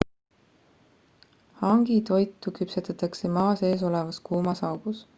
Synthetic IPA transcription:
hɑŋɡ̥it̪o̞jt̪ːˑukypset̪ɑt̪ːˑɑksemɑːse̞ːs̬o̞levɑskuːmɑsɑwɡ̥us

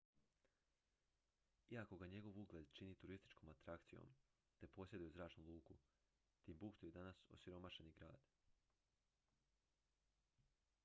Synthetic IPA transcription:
iako̞ɡaɲe̞ɡo̞ʋuɡlʲˠed̪t͡ʃiniːt̪uɾist̪i̥t͡ʃko̞mat̪ɾakt̪sijo̰m | t̪e̞po̞sje̞d̪ujuzɾaːt͡ʃnulˠuːku | t̪imbukt̪ujed̪anaso̰siɾo̞maʃe̞niɡɾa̰ːd̪̥

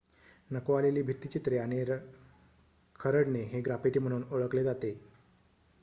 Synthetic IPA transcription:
nəkoaleliːbʱiɾt̪it͡ɕit̪ɾeañeɾ | kʰəɾəɽneɦeɡɾapiʈiːm̤əɽ̃uːnoɭəkled͡zat̪e

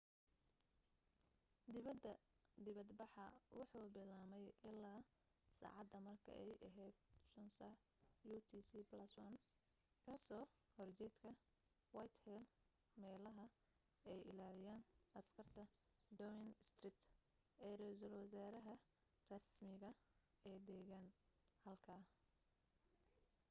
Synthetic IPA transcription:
d̪ɪβɐd̪ɐd̪ɪβɐd̪bɑħɑwɑħuːbɪlaːmɛjʔɪlːaː | sa̰ːʕɑd̪ɐmɐrkʰɐ̰ʔɛjʔɐɦɛːd̪ʃʊnsɐ | jut̪ʰiːsiːblɐswan | kʰɐsɔːhɔrt͡ʃɛjt̪kʰɐ | wajt̪hɛl | mɛːlɐɦɐ | ɛjʔɪ̰laːlɪjaːnʔɐskʰɐrt̪ʰɐ | d̪ɔwɪnɪst̪rɪt̪ | ɛːrɛjsɐlwɐsaːɾɐɦɐ | rɐsmɪɣɐ | ɛːd̪ɛːɣanhɐlkʰaː

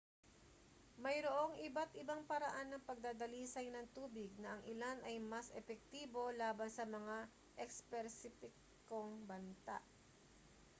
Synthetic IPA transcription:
mɐjɾoʔo̞ŋʔɪbat̪ʔɪbaŋpɐɾɐʔanːɐŋpɐɡ̚d̪aːd̪ɐliːsɐjnɐŋt̪uːbɪɡ̚nɐʔɐŋʔɪlanʔɐjmɐsʔɛpɛk̚t̪iːbo̞laːbɐnsɐmɐŋa | ʔɛkspɛɾsɪfɪkː | oŋbɐnt̪a̰ʔ

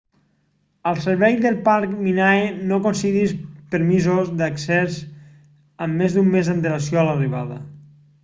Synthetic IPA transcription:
əlˠsəɾβɛjðəlˠpaɾkminaenokonsiðispəɾmizozðəksɛz | əmːezd̪umːezənt̪̬ələs̬joələriβ̞aðə̰

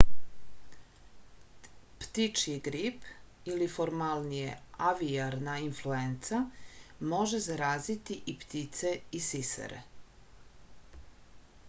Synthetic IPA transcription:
pt̪it͡ʃiɡɾip | ilifoɾmalˠnijḛaʋiaɾnainfluent̪samo̞ʒezaɾaːzit̪iʔipt̪it̪seisisḛɾḛ

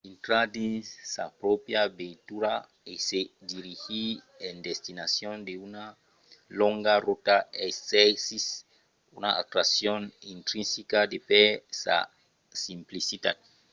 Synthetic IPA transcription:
int̪ɾad̪isa̰pɾɔpjabet̪uɾa | esed̪iɾihi | end̪est̪inasjond̪euna | loŋɡarot̪aeesis | unaʔa̰t̪ɾasjonint̪ɾinsikad̪epesa̰ | simplisit̪at̪̚

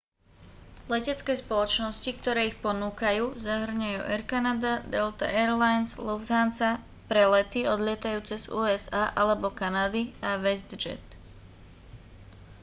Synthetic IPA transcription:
lɛcɛt͡skɛːspɔlɔt͡ʃnɔscikt̪ɔɾɛːixpɔnuːkajuːzaɦr̩ɲajṵːʔɛɾkanad̪ad̪ɛlt̪a̰ʔɛɾlajnsluvzansa | pɾɛlɛt̪iɔd̪lɪɛt̪ajuːt͡sɛzṵːɛzaːʔalɛbɔkanad̪iaʋɛzd̪d͡ʒɛ̰t̪

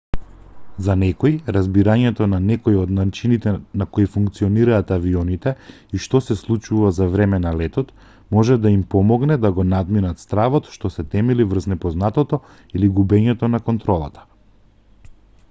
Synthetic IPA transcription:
zanɛkɔjɾazbiɾaɲɛt̪ɔnanɛkɔjɔd̪nat͡ʃinit̪ɛnakoifuŋkt̪siɔniɾaːt̪aviɔnit̪ɛ | iʃt̪ɔsɛslˠut͡ʃuvazavɾɛmɛnalɛt̪ɔt̪ | mɔʒɛd̪aimpɔmɔɡnɛd̪aɡɔnad̪minat̪st̪ɾavɔt̪ʃt̪ɔsɛt̪ɛmɛlivr̩znɛpɔznat̪ɔt̪ɔ | iliɡubɛɲɛt̪ɔnakɔnt̪ɾɔlˠat̪ʰḁ

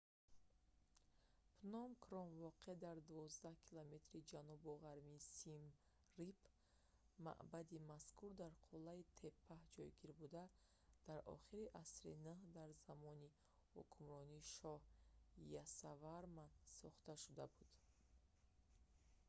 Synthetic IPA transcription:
pʰnɔmkʰɾɔmvɔqeed̪aɾd̪uvɔzd̪ahkʰilome̞t̪ɾid͡ʒanubɔʁaɾmiːsim | rip | ma̰ʔbad̪imaskuɾd̪aɾqʰulːait̪ʰe̞pʰːahd͡ʒɔjɡiɾbud̪a | d̪̥aɾɔ̰χiɾiʔasɾḭnəhd̪aɾzamɔni | hṵkʰumɾɔniːʃɔhjasavaɾmasɔχt̪aʃud̪abud̪̥

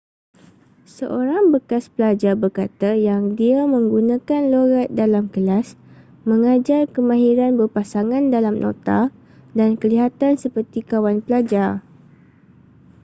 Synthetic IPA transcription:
sə̰ʔoɾaŋbəkaspəlad͡ʒarbərkat̪ajaŋdiamə̃ŋɡunãkanloɾat̪̚dalamkəlas | mə̃ŋad͡ʒarkəmãɦiɾanbərpasaŋãndalamnʔõ̰t̪a | dankəliɦat̪ansəpərt̪ikawanpəlad͡ʒar

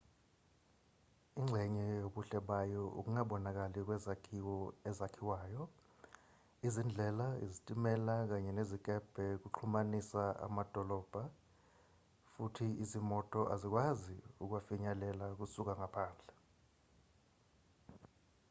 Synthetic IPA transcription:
iŋ͡ǁʱɛɲɛjoɓuɬɛɓajɔʔṵk̬uŋaɓɔnak̬alik̬wɛzakʰiwɔɛzakʰiwaːjɔ | izind͡ɮʱɛlaḭzitʼimɛlak̬aɲɛnezik̬ʼɛb̥ʱɛk̬uǁʰumanisaa̰mad̥ʱɔlɔːb̥ʱa | futʰiizimɔtʼɔʔazik̬ʼwaziuk̬wafiɲalɛlak̬usuk̬aŋapʰaːnd͡ɮʱɛ

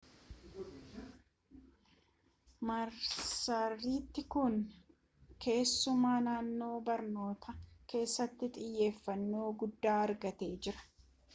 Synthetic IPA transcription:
mɐɾsɐrːiːt̪ːɪkʊn | ke̞ːsːʊmaːnaːnːo̞ːbɐɾno̞ːt̪ʰɐke̞ːsːɐt̪ːɪt̪ʼɪjːe̞ːfːɐnːo̞ːɡʊd̪ːaːɐɾɡɐt̪e̞ːd͡ʒɪɾɐ̥

